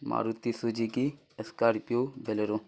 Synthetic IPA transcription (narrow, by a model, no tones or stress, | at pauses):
ma̰ːɾut̪isud͡ʒiki | əskaːɾpjoːbʱeleɾo